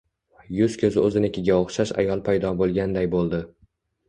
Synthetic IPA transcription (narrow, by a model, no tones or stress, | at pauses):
jʊzkʲʰɵzɪɵzɪnekʲʰɪɡʲaoχʃaʃa̰jɒlˠpʰajd̪ɒbolˠɡʲand̪ajbolˠd̪ɪ